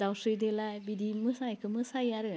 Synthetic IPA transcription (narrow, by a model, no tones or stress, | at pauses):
dawsɾidelabidimɯsajkʰɯmɯsajaɾɯ